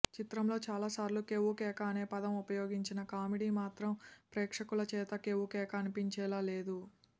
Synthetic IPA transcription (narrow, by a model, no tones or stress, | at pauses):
t͡ʃit̪ɾɐmlo̞ːt͡ʃaːlaːsaːɾlukewukɛːkɐːneːpɐd̪ɐmupɐjo̞ːɡiɲt͡ʃinɐkaːmiɽiːmaːt̪ɾɐmpɾɛːkʂɐkulɐt͡ʃɛːt̪ɐkewukɛːkɐːnipiɲt͡ʃɛːlaːleːd̪u